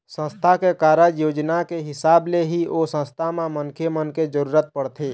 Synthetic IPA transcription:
sə̃st̪ʰakekaːɾəjoːd͡ʒnakeɦɪsaːbleɦiʔosə̃st̪ʰamẽmənkʰemənked͡ʒəɾuːɾət̪̚pəɽt̪ʰe

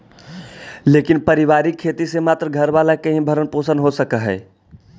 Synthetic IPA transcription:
leːkɪnpəɾɪʋaːɾikʰːeːt̪isemaːt̪ɾəɡʱəɾʋaːlakɐɦĩbʱəɾənpoːsənɦosəkəɦɛ̰ː

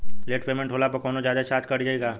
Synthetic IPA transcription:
leːʈpeːmẽɳʈʰɦoːlapɐkɔːnod͡ʒaːd̪at͡ʃaːt͡ʃkɐɽd͡ʒaːeːɡaː

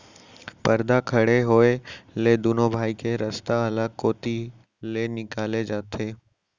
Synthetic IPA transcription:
pɐɾd̪akʰɐɽeɦoːeled̪uːnobʱaːikeɾɐst̪aɐləɡ̚koːt̪i | lenɪkaːled͡ʒaːt̪eː

